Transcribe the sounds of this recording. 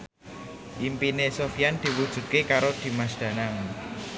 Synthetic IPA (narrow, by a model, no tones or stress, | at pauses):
ʔimpinesofijand̪̥i̤wud̥ʒ̥ṳt̪̚kekaɾod̪̥i̤mas̬d̪̥ä̤naŋ